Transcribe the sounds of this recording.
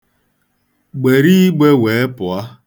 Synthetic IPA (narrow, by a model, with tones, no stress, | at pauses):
ɡ͡be˨ɾi˦i˦ɡ͡be˦we˨˦e˦pʊ˨a˦